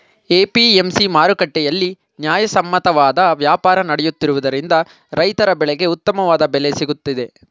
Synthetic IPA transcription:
eːpiemsimaːɾukɐʈːɛjɐlːi | njaːjɐsɐmːɐt̪ɐʋaːd̪ɐʋjaːpaːɾɐnɐɽɛjut̪ːiɾuʋud̪ɐɾind̪ɐ | ɾɐjt̪ɐɾɐbɛɭɛɡe̞ut̪ːɐmɐʋaːd̪ɐbɛlesiɡut̪ːid̪e̞

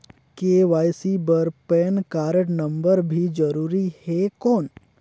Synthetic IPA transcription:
keʋaːjsibəɾpɛnkaːɾəʈnə̃mbəɾbʱid͡ʒəɾuːɾihekɔːn

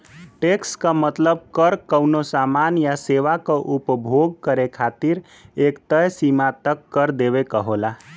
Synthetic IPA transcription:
ʈekskəmət̪ləb̚kəɾkəwnosamanjaseʋakoʔupbʱoɡ̚kəɾekʰat̪iɾ | ekt̪əjsimat̪əkːəɾd̪eβekəɦola

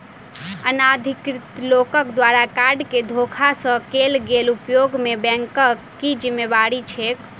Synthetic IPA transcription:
ənad̪ʱikɾit̪lokəkd̪ʋaɾakaɾɖked̪ʱokʰasə̃kelɡelupjoɡmebɛ̃ŋkə | id͡ʒimːebaɾit͡ʃʰek

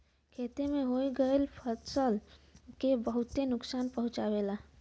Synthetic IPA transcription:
kʰet̪emeɦojɡəelpʰəsəlkebəɦut̪enʊksanpəɦũt͡ʃabela

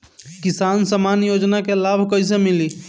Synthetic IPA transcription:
kisansəmanjod͡ʒnakelabʱkəjs̬emili

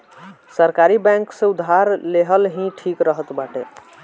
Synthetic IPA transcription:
səɾkaɾibɛ̃ŋksẽud̪ʱːaɾleɦəlɦĩʈʰikɾəɦət̪baʈḛ

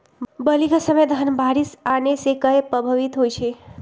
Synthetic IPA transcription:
bəliɡʱəsəmed̪ʱanbaɾisanesekəepɾəbʱəʋit̪ɦojt͡ʃʰe

